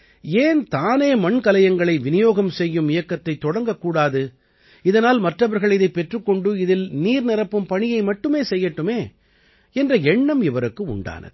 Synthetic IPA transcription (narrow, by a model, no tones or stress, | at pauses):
eːnt̪aːneːmɐɳkɐlɐjɐŋɡɐɭɐɪʋɪnɪjoːɣɐmsɛjːɯmɪjɐkːɐt̪ːɐɪt̪ːɔɽɐŋɡɐkːuːɽaːðɯ | ɪðɐnaːlmɐʈrɐʋɐɾɣɐɭɪðɐɪpːɛʈrɯkːɔɳɖɯɪðɪlniːɾnɪrɐpːɯmpɐɳɪjɐɪmɐʈːɯmeːsɛjːɐʈːɯmeː | ɛndrɐɛɳːɐmɪʋɐɾɯkːɯʊ̰ɳɖa̰ːnɐ̰ð